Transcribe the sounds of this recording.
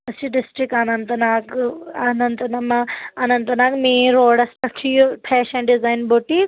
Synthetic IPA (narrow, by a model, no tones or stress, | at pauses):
ɐst͡ʃiɖisʈɾik̚anɐnt̪ɐnaːkanɐnt̪ɐnɐmɐɐnɐnt̪ɐnaːkmeːɾoːɽɐsʈɐʈʰijopʰɛːʃɐ̃ɳɖizaːjnboʈik